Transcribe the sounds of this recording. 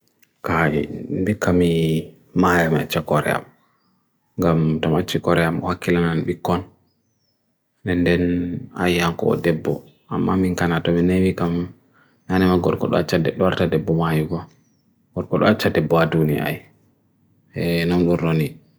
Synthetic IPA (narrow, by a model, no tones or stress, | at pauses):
kajḭmbikːami | majamiat͡ʃːakɔɾɛ̰a̰m | ŋɡamtɔmat͡ʃːikɔɾɛamɔ̰hakːilananɓikːɔn | dɛndɛna̰jhaŋkɔ̰ɔ̰dɛbːɔ̰ | amːamiŋkanatɔminewikamː | anɛmaɡɔɾkɔɗɔ̰at͡ʃːadɛɗɔwaɾtadɛbːɔmajuɡɔ | ɡ̥ɔɾkɔɗɔ̰at͡ʃːadɛbːɔadunija̰a̰j | ɛnɔnɗunɾoni